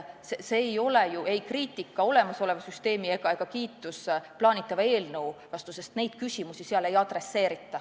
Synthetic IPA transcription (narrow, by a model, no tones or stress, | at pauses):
seseːjo̞lejuʔe̞jkriːt̪ːˑikːɑo̞le̞mɑso̞le̞vɑsyst̪e̞ːmie̞ɡ̥ɑe̞ɡ̥ɑkiːt̪ːˑusplɑːnit̪ˑːɑvɑe̞ːlnewvɑst̪use̞st̪ne̞jd̪̥̚kysʲimusiseɑle̞jɑd̪re̞sːe̞ːɾit̪ːˑɑ